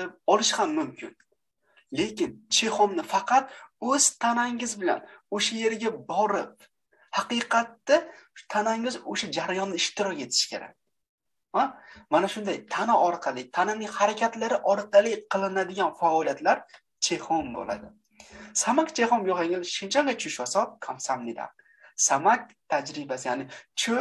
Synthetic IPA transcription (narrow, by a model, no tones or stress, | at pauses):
ɒlˠɪʃhamːʊmkʲʰɪn | le̞kʲɪnt͡ʃʰe̞hɒmnɪfɑqʰɑt̪ɵz̥t̪ʰanaŋɪzbɪla̰noʃaje̞ɾɡʲabɒɾɪp̚ | hɑqɨqʰɑt̪ːat̪ʰanaŋɪzoʃad͡ʒaɾajɒnːɪɪʃt̪ʰɪɾɒkʲe̞t̪ʰɪ̥ʃkʲʰe̞ɾa̰k̚ʲ | amanaʃʊnd̪ajt̪ʰanɪɒɾqʰɑlˠɪt̪ʰananɪŋhaɾakʲʰat̪laɾɪʔɒɾqʰɑlˠɪqʰɨlˠɪnad̪ɪɡʲanfaɒlijat̪laɾ | t͡ʃʰehɒmbo̰la̰d̪ɪ | samakʲt͡ʃʰehɒmjɒʁaŋɪzʃɪnt͡ʃʰaŋɡʲat͡ʃʰʊʃwasɒt̪̚kʰamsamnɪd̪a̰ | samak̚ʲt̪ʰad͡ʒɾɪbasɪjaːnɪt͡ʃʰo